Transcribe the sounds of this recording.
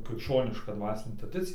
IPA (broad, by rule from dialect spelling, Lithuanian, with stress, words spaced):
krʲɪkʃʲˈt͡ʃʲoːnʲɪʃkɐ ˈdʋɑːsʲɪnʲeː trɐˈdʲɪt͡sʲɪjɛ